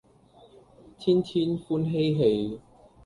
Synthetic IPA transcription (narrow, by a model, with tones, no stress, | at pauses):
t̪ʰiː˥nt̪ʰiː˥nfuː˥nɦe˥jɦe˧j